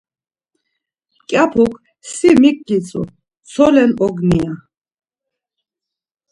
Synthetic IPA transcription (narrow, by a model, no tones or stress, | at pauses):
kʼjapʰukʰ | simikʼːit͡sʼṵ | t͡sʰɔlɛnʔɔɡnia